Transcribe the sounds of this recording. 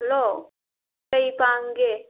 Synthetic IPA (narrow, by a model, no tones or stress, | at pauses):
lo | əipaːŋɡe